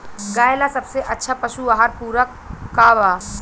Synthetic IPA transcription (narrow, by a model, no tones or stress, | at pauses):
ɡaːjlasɐbseʔɐtːʃʰapɐʃuaɦaɾpuːɾəkː | aːʋaː